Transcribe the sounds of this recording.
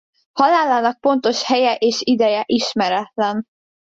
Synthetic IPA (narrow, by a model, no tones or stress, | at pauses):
hɒlaːlːaːnɒk̚po̞nt̪o̞ʃhɛjɛʔeːʃid̪ɛjɛʔiʃmɛɾɛt̪lɛn